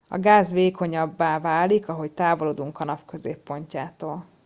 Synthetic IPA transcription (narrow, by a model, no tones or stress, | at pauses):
ɒ̰ɡaːzʋeːkʰo̞ɲɒbːaːvaːlikɒɦo̞ct̪aːvo̞loːd̪uŋkɒnɒpkø̞zeːpːo̞ɲcaːt̪oːl